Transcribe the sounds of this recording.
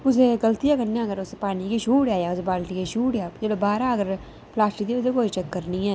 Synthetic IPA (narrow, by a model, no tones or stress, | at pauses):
ʊs̬eɡəlt̪ijaːkənjãːɡəɾʊspaːnikiʃuːʈjaːjaːʊsebaːlt̪ikeʃuːʈjaːd͡ʒeːɽabaːɾaːəɡəɾ | plaːsʈid̪iʊsekoːiːt͡ʃəkːəɾniːɛː